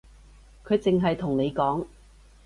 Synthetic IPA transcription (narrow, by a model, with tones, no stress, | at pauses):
kʰɵ˨˧ɥt͡sɪ˨ŋɦɐ˨jt̪ʰʊ˨˩ŋne˨˧jkɔː˨˥ŋ